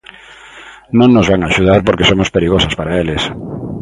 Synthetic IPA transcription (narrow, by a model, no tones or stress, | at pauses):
nõŋnozβaŋaʃuð̞aɾpoɾkesomospeɾiɣosaspaɾaelɪs